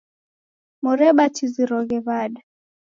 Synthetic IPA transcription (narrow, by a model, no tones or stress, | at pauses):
mɔɾɛɓatiziɾɔɣɛβaɗa